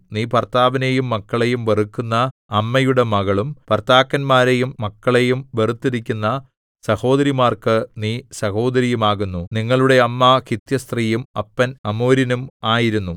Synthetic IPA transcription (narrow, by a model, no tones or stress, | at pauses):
niːpɐrt̪aːʋɐne̞jumːɐkːɐɭe̞jumʋerukːunːɐːmːɐjuɽe̞mɐɣɐɭumpɐrt̪aːkːɐnmaːɾe̞jumːɐkːɐɭe̞jumʋe̞rut̪ːiɾikʲːunːɐ | sɐho̞ːd̪ɐɾimaːrkɨniːsɐho̞ːd̪ɐɾijumaːɣunːuniŋːɐɭuɽe̞ɐmːɐkit̪jɐst̪riːjumɐ̰pːɐnɐmoːɾinumaːjiɾunːu